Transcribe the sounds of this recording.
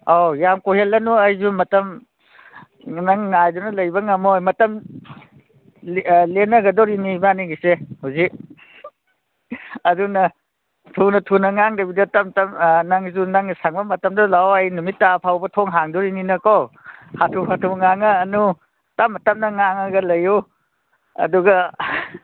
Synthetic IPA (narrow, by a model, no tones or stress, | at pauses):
awjamkoɦelːɐnuɐjzumɐtɐm | naŋːajdunɐlɐjbɐŋamojmɐtɐm | lenɐɡɐdɔɾinibaniɡisehuwzik̚ | ɐdunɐ | tʰunɐtʰunɐŋaŋdɐbidɐtɐmtɐmnaŋzunaŋsaŋbɐmɐtɐmdɐlawajnumitːapʰawbɐtʰoŋɦaŋdɔɾininɐkowhatʰuhatʰuŋaŋɐːnu | tamːɐtɐmnɐŋaŋɐɡɐlɐju | ɐ̰duɡɐ